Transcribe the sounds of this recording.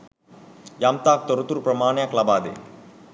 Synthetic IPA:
jamt̪aːk̚t̪ɔɾut̪uɾpɾɐmaːɳjaklabaːd̪ḛ

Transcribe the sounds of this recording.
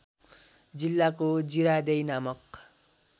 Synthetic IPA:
d͡zilːakod͡ziɾad̪ejnamʌk

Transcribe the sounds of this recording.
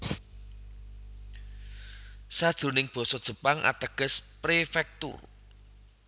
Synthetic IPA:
sad̥ʒ̥ṳnɪŋb̥ɔ̤sɔd̥ʒ̥ə̤paŋʔa̰t̪əɡ̥ə̤spɾefɛk̚t̪ʊ̰r

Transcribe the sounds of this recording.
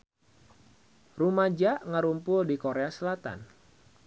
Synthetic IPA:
rumad͡ʒaʔŋəɾumpʊldikoɾeasəlat̪a̰n

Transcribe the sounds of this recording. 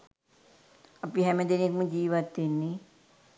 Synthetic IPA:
ɐpiɦɛməd̪enekmũd͡ʒiːʋat̪ːinːi

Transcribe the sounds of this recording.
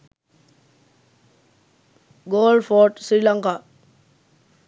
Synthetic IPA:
ɡoːlfoːɾʈsɾiːlaŋkaː

